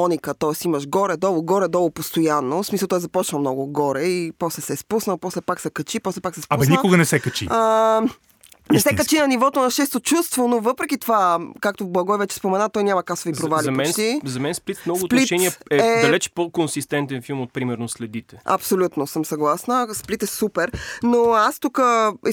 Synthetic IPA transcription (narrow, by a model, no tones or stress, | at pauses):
ɔnʲikət̪ɔɛsiməʃɡɔɾɛd̪ɔlˠoɡɔɾɛd̪ɔlˠopost̪ojanːosmisəlˠt̪ɔjɛzɐpɔt͡ʃnɐlˠmnɔɡʊɡɔɾɛipɔslɛsɛspusnəlˠpɔslɛpaksɛkɐt͡ʃipɔslɛpaksɛspanikʊɡənɛsɛkɐt͡ʃḭə | nɛsɛkɐt͡ʃinɐnivɔt̪onɐʃɛst̪ot͡ʃust̪vonovɤpɾɛk̟ʲit̪ovakak̚t̪ovblˠɐɡɔjvɛt͡ʃɛ̥spomɛnat̪ɔjnʲamɐkasovipɾovalʲiɐɛnt̪izɐmɛnsplit̪mnɔɡsot̪p̪litt͡ʃɛniɛɛɛd̪ɐlɛt͡ʃpokonsist̪ɛnt̪ɛnfilˠmot̪̚pɾimɛɾnoslɛd̪it̪ɛɐ̰psolʲut̪nosəmsɐɡlˠasnəsplit̪ɛsupɛɾnoast̪ukəɛ